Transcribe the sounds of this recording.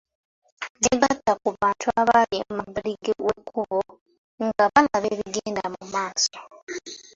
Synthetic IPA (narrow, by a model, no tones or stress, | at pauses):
neɡatːakuβaːntuaβaliemmaβuliɡewekʰːuβo | ŋɡaβalaβeβiɡeːndamumaːso̥